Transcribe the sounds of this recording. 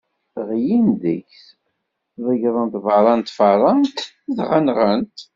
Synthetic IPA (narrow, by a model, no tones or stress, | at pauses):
ʁjind̪əçs | ðˤəʝɾˤənt̪vɑɾˤɑnt̪fɑɾˤɑnt̪ | ðʁanʁənt̪